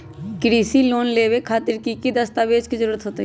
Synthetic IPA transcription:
kɾiːsiloːnleːbekʰaːt̪ɪɾkikid̪ɐst̪aʋeːd͡ʒkizəɾuːɾət̪ɦoːt̪i

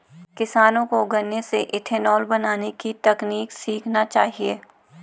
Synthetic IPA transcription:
kɪsaːnõkoɡɐnːeseʔɪʈʰɛnɔːlbɐnaːnekit̪ɐkniːksiːkʰnat͡ʃaːɦieː

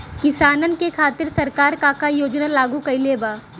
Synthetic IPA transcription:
kɪsaːnən̆kekʰaːt̪ɪɾsɐɾkaːɾkaːkajoːd͡ʒnalaːɡũkɐileːbaː

